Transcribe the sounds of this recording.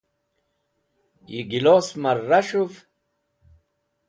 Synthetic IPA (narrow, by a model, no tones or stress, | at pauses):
jiɡiloːsmaɾːaʂuv